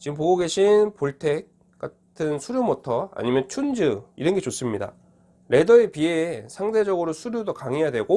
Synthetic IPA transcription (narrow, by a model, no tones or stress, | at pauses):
t͡ɕiɡɯmp̬oɡoɡe̞ɕʰinpoɭtʰe̞k̚ | k͈atʰɯnsʰuɾjomotʰʌa̰ɲimjʌnt͡ɕʰund͡ʑɯiɾʌnɡe̞t͡ɕos͈ɯmɲida̰ | ɾe̞dʌepiesʰaŋde̞d͡ʑʌɡɯɾosʰuɾjodokaŋɦe̞jadwe̞ɡo